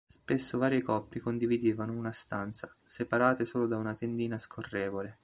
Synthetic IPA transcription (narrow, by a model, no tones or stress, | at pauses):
spesːovaːɾijekɔpːikond̪ivid̪iːvanounast̪ant̪sa | sepaɾaːt̪esoːlod̪aunat̪end̪iːnaskʰorːeːvole